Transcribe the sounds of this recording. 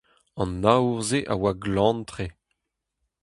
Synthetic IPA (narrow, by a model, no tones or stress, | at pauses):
ɑ̃nːauʁzeʔa̰waɡlɑ̃ntʁe